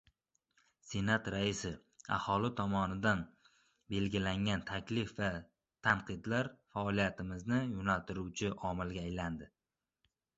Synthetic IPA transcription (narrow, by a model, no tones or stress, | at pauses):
se̞nat̪ɾaɪsɪa̰hɒlɪt̪ʰɒmɒnɪd̪an | be̞lɡʲɪlaŋʲant̪ʰakʲʰlɪfva | t̪ʰamqʰɨd̪laɾfaɒlˠijat̪ʰɪmɪznɪjʊnalt̪ɪɾuwt͡ʃʰɪʔɒmɪlˠɡʲaːjland̪ɪ